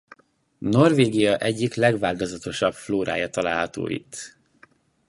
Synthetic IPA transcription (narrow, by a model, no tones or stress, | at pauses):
no̞rveːɡijɒʔɛɟːiklɛɡʋaːlt̪ozɒt̪o̞ʃɒb̥floːɾa̰ːjɒt̪ɒla̰ːlɦɒt̪o̰ːḭt̪ː